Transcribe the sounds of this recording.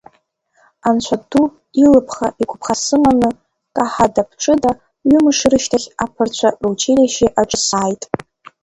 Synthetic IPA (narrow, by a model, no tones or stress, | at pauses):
ant͡ʃʷʰadupʼilɨpʰχaʔikʷʰʼpʰχasɨmanɨ | kʼaħadapʰʈ͡ʂʼɨda | ɥʏmɨʂɾɨʃtʰaχʲapʰɨrt͡ɕʷʰaruwt͡ʃʰelaʃiʔaʈ͡ʂʼɨsaːjtʼ